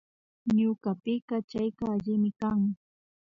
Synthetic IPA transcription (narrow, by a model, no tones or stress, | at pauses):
ɲʊkapɪɢɑt͡ʃajkaːʎɪmɪkaŋ